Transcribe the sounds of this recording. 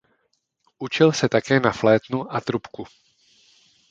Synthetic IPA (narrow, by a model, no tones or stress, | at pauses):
ʔut͡ʃɪlsɛt̪akɛːnaflɛːt̪nuʔat̪ɾupku